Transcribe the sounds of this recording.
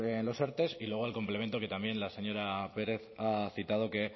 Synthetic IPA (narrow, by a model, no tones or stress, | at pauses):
enlo̞seɾt̪e̞silwe̞ɣ̞oalko̞mple̞me̞nt̪o̞ke̞t̪ambje̞nlase̞ɲo̞ɾape̞ɾe̞θaθit̪að̞o̞ke̞